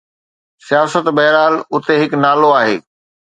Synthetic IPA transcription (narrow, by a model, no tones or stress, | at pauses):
sijaːsət̪bɐɦɾaːlʊt̪eɦɪknaːloaːɦeː